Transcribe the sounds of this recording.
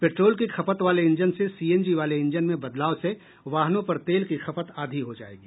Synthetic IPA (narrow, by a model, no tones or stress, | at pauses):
peːʈɾoːlkixʰɐpət̪ʋaːleɪ̃ɲd͡ʒənsesiːẽnd͡ʒiʋaːleɪ̃ɲd͡ʒənmẽbɐd̪laːʋse | ʋaːɦnõpɐɾt̪eːlkixʰɐpət̪aːd̪ʱiɦod͡ʒa̰ːḛːɡiː